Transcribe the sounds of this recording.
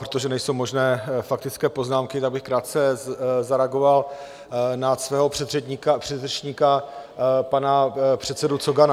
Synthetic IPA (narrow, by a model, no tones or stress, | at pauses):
pɾot̪o̞ʒɛnɛjso̞wmo̞ʒnɛːfak̚t̪ɪt͡skɛːpo̞znaːmkɪt̪aɡ̚bɪxkɾaːt̪̚t͡sɛzaɾɛaɡo̞val | nat̪svɛːɦo̞pɛkapr̝̥ɛʃɲika | panapr̝̥ɛt̪sɛdut͡soɡan